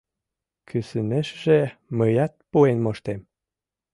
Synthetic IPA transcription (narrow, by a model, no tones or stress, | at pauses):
kʰysɘnĕʃʒeməjɑt̪̚puenmoʃt̪em